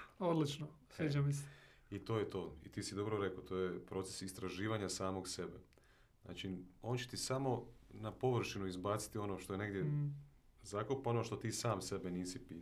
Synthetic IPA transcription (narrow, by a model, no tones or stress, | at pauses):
od̪lit͡ʃnosʋiːt͡ʃamisɛ̥ | it̪o̞ːjet̪o̞ːḭt̪iːsid̪o̞bɾoɾe̞kot̪ʰo̞ːjepɾo̞t̪sesist̪ɾaʒiːʋaɲasaːmo̞ɡse̞be | zna̰ːt͡ʃio̞ːnt͡ɕet̪isamo̞napo̞ʋr̩ʃinuizbaːt̪si̥t̪io̞no̞ːʃt̪o̞jene̞ɡd̪je | zaːkopao̞noʃt̪o̞t̪iːsaːmse̞beniːsipi